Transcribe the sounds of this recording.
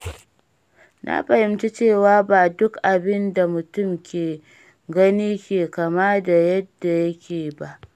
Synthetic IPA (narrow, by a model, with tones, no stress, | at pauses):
nʔa̰˦ɸɐ˨hɪ˦mt͡ʃi˦t͡ʃeː˦˨waː˦ba˨dʊ˦kʔa˨bɪ˦nda˨mʊ˨tʊ˦˨mkʲeː˨ | ɡɐ˦niː˦kʲeː˨kɐ˨ma˦da˨jɐ˦dːa˨jɐ˦kʲeː˨ba˦ʔ